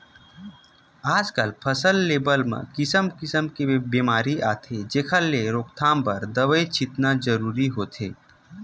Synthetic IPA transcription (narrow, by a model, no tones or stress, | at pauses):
aːd͡ʒkəlpʰəsəlːeːbəlmḛ̃kɪsəmkɪsəmkebeːmaːɾiaːt̪ʰed͡ʒeːkʰəlːeɾoːkt̪ʰãːmpəɾd̪əʋəet͡ʃɪt̪nad͡ʒəɾuːɾiɦoːt̪ʰeː